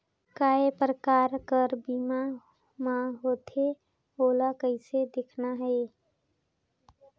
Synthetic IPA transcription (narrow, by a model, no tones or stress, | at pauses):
kaːepɾəkaːɾkəɾbiːma | mãɦoːt̪ʰe | oːlakəɪsed̪ekʰnaɦe